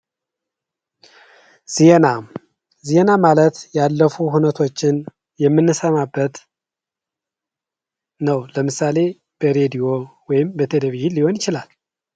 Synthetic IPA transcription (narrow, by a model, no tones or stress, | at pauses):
z̥ienam | zienamalət̪jalːəfuɦunət̪ʰo̞t͡ʃːɪn | jɛmːɨnːɨsəmabːət̪ | nəwləmɨsale̞ | b̥əɾe̞d̪ijo̞wɔjɪmbət̪ʰeleβihiliho̞njɪt͡ʃɪlal